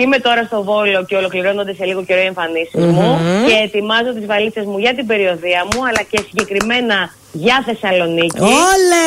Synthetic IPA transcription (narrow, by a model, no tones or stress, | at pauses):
ime̞t̪o̞ɾɐst̪o̞vo̞lo̞ce̞o̞lo̞kliɾo̞nond̪e̞se̞liɣo̞ce̞ɾoie̞ɱfɐnisizmuce̞ːt̪imɐzo̞t̪̬izvɐlit͡se̞zmuʝɐt̪ibe̞ɾio̞ðiɐmuɐlɐce̞siɲɟe̞kɾime̞nɐ | ʝɐθe̞sɐlo̞nicile